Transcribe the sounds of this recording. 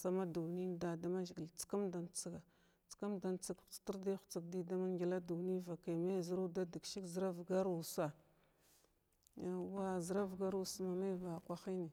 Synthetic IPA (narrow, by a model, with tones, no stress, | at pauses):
sa˦ma˦du˨ni˦˨da˨da˦ma˦ʒɡi˨lt͡si̥˦ka˦mda˨nt͡si˦ɡa˨ | t͡si̥˨ka˦mda˨nt͡si˨kt͡si̥˨ti˦ɾda˦xt͡si˨k̚di˦da˦ma˦ŋɡʲi˨la˦du˨ni˦va˨ka˨ma˦˨zi˨ɾu˦da˦di˨ɡʃi˦kzə˨ɾa˦vɡa˦ɾu˨sa˨ | a˨wa˦zə˨ɾa˦vɡa˦ɾu˦sma˨ma˦va˨kʷa˨xi˦ni˨